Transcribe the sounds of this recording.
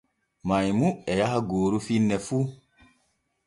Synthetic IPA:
majmuɛjahaɡoːɾufinːɛfuː

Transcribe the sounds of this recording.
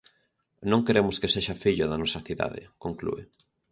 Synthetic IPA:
nõŋkeɾemʊskeseʃafiʎʊðanɔsɐθiða̰ðɪ̰koŋklṵe

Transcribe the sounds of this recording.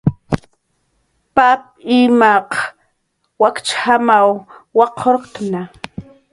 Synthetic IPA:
pap̚ | imaq | wakt͡ʃhamawwɑqʰoɾqt̪na

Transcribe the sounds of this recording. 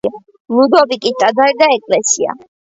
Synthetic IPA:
a | lud̪ɔbikʼit̪sʼad̪aɾd̪aɛkʼlɛsia̰

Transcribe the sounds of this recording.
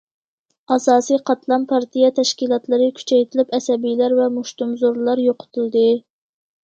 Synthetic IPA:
ɑsɑːsijqʰɑt̪lˠɑnpʰɑɾt̪ʰijɛt̪ʰɛʃkʲilˠɑt̪lˠɨɾɨkʲʰy̥t͡ʃʰɛjt̪ʰɪlɪpɛsɛbijlæɾvɛmuʃt̪umzoɾlˠɑɾjoqʰʊ̥t̪ʰulˠd̪ɨ

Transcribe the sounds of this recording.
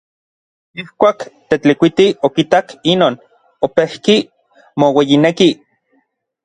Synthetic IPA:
ihkʷaːkt̪et͡ɬikʷit̪iokit̪akinoːn | opehki | mowejineki

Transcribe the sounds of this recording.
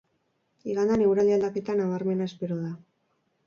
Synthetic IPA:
iɣand̪ane̞wɾald̪iald̪ake̞t̪anaβaɾme̞naespe̞ɾoða

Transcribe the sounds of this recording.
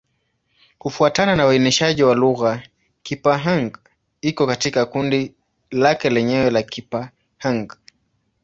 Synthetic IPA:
kufuatananawainiʃaʄiwaluɣa | kipaɦaŋɡ | ikɔkatikakundi | lakɛlɛɲɛwɛlakipa | haŋɡ

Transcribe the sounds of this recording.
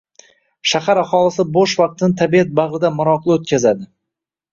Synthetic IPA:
ʃahaɾaχɒlˠɪsɪboʃvɑq̚t̪ʰɪnɪt̪ʰabiat̪̚baʁɾɪd̪amʊɾɒqʰlˠɪot̪̚kʲʰazad̪ɪ

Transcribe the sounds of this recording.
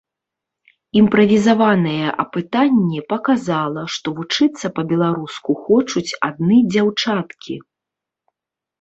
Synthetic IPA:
impɾɐvʲizavanɐjɛʔɐ̰pɨt̪anʲːipɐkazalˠɐʂt̪ɔvut͡ʂɨt̪sːɐpɐbʲɛlˠaɾuskuxɔt͡ʂut͡sʲad̪̚nɨd͡zʲawt͡ʂat̪kʲʰi

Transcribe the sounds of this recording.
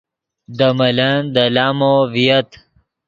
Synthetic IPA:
d̪ɐmɐlɐnd̪ɐlaːmovijɐt̪

